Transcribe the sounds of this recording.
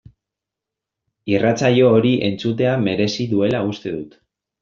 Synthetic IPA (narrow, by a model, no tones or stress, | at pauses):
irat͡saʎo̞ːɾiʔe̞̰nt͡sut̪e̞ame̞ɾe̞siðue̞laust̪e̞ðut̪